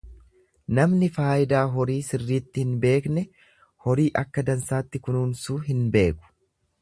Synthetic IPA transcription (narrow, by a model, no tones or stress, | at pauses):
nɐmnɪfaːjɪd̪aːɦɔɾiːsɪrːiːt̪ːɪhɪnbe̞ːknɛ | hɔɾiːʔɐkːɐd̪ɐnsaːt̪ːɪkʊnuːnsuːɦɪnbe̞ːkʊ̥